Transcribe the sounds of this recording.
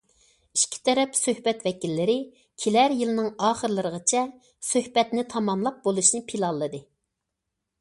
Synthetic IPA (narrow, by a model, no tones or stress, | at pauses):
iʃkʲʰi̥t̪ʰɛɾɛpsøhbɛt̪vɛkʲilːɪɾɪ | kʲʰilæɾjilˠɨnɨŋɑːχəɾlˠɨɾəʁət͡ʃʰɛ | søhbɛt̪nɪt̪ʰɑmɑmlˠɑp̚bolˠuʃnɨpʰilˠɑlˠːɨd̪ɨ